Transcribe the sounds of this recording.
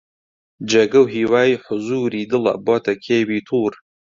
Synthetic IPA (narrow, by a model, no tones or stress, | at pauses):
d͡ʒeɡɐwɦiːwaːjiħʊzuːɾiːd̪ɨlɐ̰bɔːt̪ɐkʰeːbiːt̪ʰuːɾ